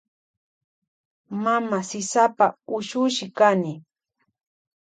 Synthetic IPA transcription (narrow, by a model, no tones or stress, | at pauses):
mamasɪsapaʊʃʊʃɪkanɪ